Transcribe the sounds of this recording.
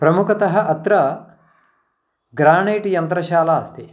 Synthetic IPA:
pɾɐmukʰɐt̪ɐɦɐ̆ʔɐt̪ɾɐ | ɡɾaːɳeːʈjɐnt̪ɾɐʃaːlaːst̪i

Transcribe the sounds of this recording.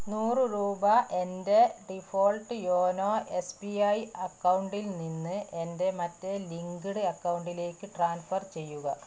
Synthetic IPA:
nuːrɨɾuːbɐʔe̞nde̞ɖifo̞ːɭʈɨjo̞ːnoːʔe̞spiɐjɐkːɐwuɳɖilninːɨʔe̞nde̞mɐtːe̞liŋɡɨɽɨɐkːɐwuɳɖile̞ːkːɨʈraːnfɐrt͡ɕe̞jːuɣɐ

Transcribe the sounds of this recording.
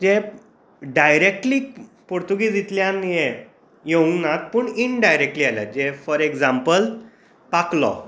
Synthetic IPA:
d͡ʑe | ɖajɾek̚ʈliː | poɾt̪uɡiːd͡zit̪ljãnije | joũŋɡnat̪̚puːɳiɳɖajɾek̚ʈliːalja̰d͡ʑefɔɾekd͡zãmpəl | paklɔ̰

